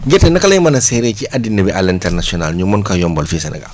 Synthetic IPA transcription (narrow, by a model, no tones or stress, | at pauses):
ɡɛtɛnɐkɐlajimɐnasɛɾekiʔadinːɐbɛʔalintɛɾnasiɔnalɲumːɔnkajɔmbɔlfisɛna̰ɡa̰